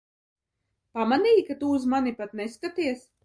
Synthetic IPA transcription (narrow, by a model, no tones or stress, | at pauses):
pamaniːkat̪uzmanipat̪neskat̪iɛs